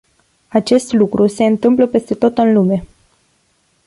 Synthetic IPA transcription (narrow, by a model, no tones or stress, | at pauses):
at͡ʃe̞st̪lukɾʔuse̞ɨnt̪ɨmpləpe̞st̪e̞t̪o̞t̪ɨnlume̞